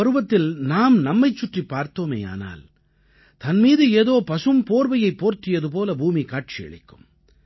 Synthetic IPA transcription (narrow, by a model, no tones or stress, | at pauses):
ɐɾɯʋɐt̪ːɪlnaːmnɐmːɐɪt͡ʃːʊʈripːaːɾt̪ːoːmḛːja̰ːna̰ːl | t̪ɐnmiːðɯeːðoːpɐsɯmpoːɾʋɐjɐɪpːoːɾt̪ɪjɐðɯp̬oːlɐbʱuːmikaːʈ̚t͡ʃɪjɐ̰ɭɪ̰kːɯm